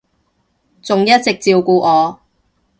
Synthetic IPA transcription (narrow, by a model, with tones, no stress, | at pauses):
t͡sʊ˨ŋjɐ˥t̚t͡sɪ˨k̚t͡siː˧wkuː˧ʔɔː˨˧